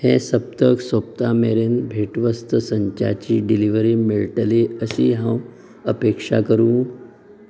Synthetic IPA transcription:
hẽsəp̚t̪əksop̚t̪ameɾenbʱeʈʋəst̪əsəɲt͡ɕa̰t͡ɕiːɖiliʋɾimiɭʈleəɕiɦãw | əpekʂa̰kəɾũː

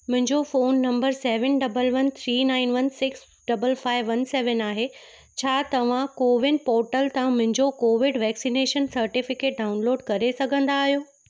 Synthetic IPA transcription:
mʊ̃ɦɪ̃ɲd͡ʑofoːnːɐ̃mbəɾseːʋənɖɐbəlʋɐnt̪ʰɾiːnaːɪnʋɐnsɪks | ɖɐbəlfaːɪʋːɐnseːʋənaːɦe | t͡ɕʰaːt̪ɐʋ̤ãkoːʋɪnpɔːɾʈəlt̪ãmʊ̃ɦɪ̃ɲd͡ʑokoːʋɪɖʋɛːksineːʃənsɐɾʈɪfɪkeːʈ̚ɖaːʊnloːɖkɐɾesɐɡʱə̃nd̪aːɦijoː

